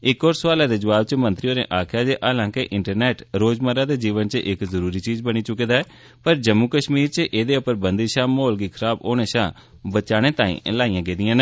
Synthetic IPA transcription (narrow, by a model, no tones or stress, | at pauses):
ɪkɔːɾsʋaːlaːd̪eːd͡ʒəʋaːb̚t͡ʃəmənt̪ɾijoːɾḛ̃ːʔaːkʰjaːd͡ʒeːʔaːlãːkɪʔɪɳʈəɾnɛːʈɾoːd͡ʒməɾaːd̪eːd͡ʒiːʋənt͡ʃəʔɪkzəɾuːɾiːt͡ʃiːzbəɽ̃iːt͡ʃʊkeːd̪aːɛː | pəɾd͡ʒəmːuːkəʃmiːɾt͡ʃəʔeːd̪eːʊpəɾbənd̪iːʃãːmoːlɡiːkʰəɾaːboːneːʃãː | bət͡ʃaːɽ̃ẽːt̪ãːḭ̃ːlaːijãːɡeːd̪ijãːne